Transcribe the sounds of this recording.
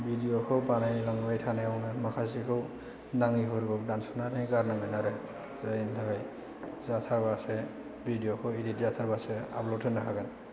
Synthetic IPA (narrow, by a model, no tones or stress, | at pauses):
bidijɔkʰɔwpanajlaŋmajtʰanɛawnamakʰasikʰɯw | naŋiɦɔɾɡɔk̚dansʰɔnaɾajkaɾnaŋanaɾɛ | zajintʰakaj | zatʰabasɛ | bʱidijɔkʰɔiditzatʰaɹbasɛa̰blɔtʰɯnakʰaɡan